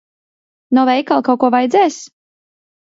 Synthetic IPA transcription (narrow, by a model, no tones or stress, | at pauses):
nɔvɛjkalˠkawkuɔvajd̪zɛːs